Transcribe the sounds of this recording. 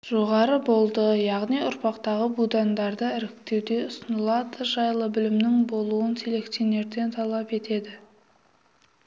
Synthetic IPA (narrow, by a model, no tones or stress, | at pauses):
ʒ̥o̞ʁɑɾəbo̞lˠd̪əjɑʁnijʊɾpɑqt̪ɑʁəbud̪and̪ɑɾd̪əɪɾɪkt̪e̞wd̪e̞ʊsənəlˠɑd̪əʒɑjlˠəbɪlɪmnɪŋbo̞lˠuənsele̞kt̪ione̞ɾd̪e̞nt̪ʰɑlˠɑpe̞t̪e̞d̪ɪ